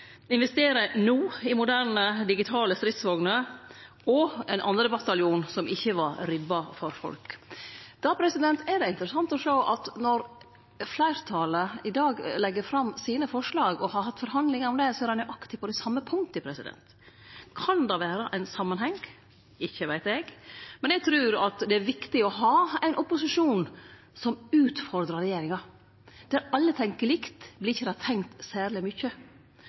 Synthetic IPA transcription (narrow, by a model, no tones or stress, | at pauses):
ɪnʋɛst̪eːɾənuːɪmʊd̪æɾɳəd̪ɪɡɪt̪ʰɑːləst̪ɾɪt̪sʋɔɡnə | ɔɛnʔɑ̰nɾəbɑt̪ɑljuːnsɔmɪçːəʋɑɾɾɪbːɑfɔɾfɔ̰lk | d̪̥ɑːpʰɾɛsɪd̪ɛnt̪ɛd̪ɛɪnt̪əɾəsɑnt̪ɔʂoːʔɑt̪nɔɾ | flæɪɾt̪ʰɑːləɪd̪ɑːɡlɛɡːəɾfɾɑmsiːnəfɔʂɭɑːɡɔhɑɾhɑt̪ːfɔɾhɦɑnd̪lɪŋəɾɔmd̪ɛsɔɛɾɛnʉʔɑkt̪ʰɪ̥pʰɔd̪ɛsɑmːəpʰʊŋt̪ɪpʰɾɛsɪd̪ɛ̰nt̪ | kʰɑnd̪ɑʋæːɾəʔæɪnsɑmːənhɛŋ | ɪçːəʋæɪt̪ɛɡmɛnɛɡ̚t̪ʰɾʉːɾɑt̪d̪ɛæɾʋɪkt̪ɪɔɦɑːæɪnʔɔpʊsɪʂuːn | sɔmʉːt̪fɔɾd̪ɾɑɾɛjeːɾɪŋɑ | d̪̥æɾɑlːət̪ʰɛŋkəlɪkt̪blɪɾɪçːəd̪ɛhɑɾt̪ʰɛŋkt̪sæːɾlɪmʏçːə